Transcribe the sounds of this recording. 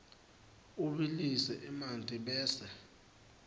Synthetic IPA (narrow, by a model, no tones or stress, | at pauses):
uɓilisɛʔimantʼiɓɛːsɛ